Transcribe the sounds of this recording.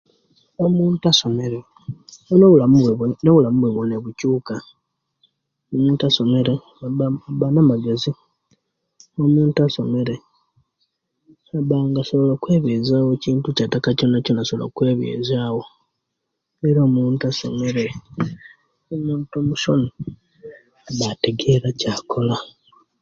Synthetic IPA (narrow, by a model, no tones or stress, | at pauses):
omuːntuaso̞me̞ɾe | onoulaweβenoβulamuβweβwoneβucuːka | omuːntuaso̞me̞ɾe | βanamaɡezi | omuːntuaso̞me̞ɾe | aβaːŋɡaso̞βolakwe̞ːβjeːzaːwociːntucatːakaconːaconasoβolo̰kwe̞ːβjḛːzaːwo̞ | eɾoːmuːntuaso̞̰me̞ɾe̞ | omuːntomuʃo̰ni | βate̞ɡe̞ɾacaːkʰo̞la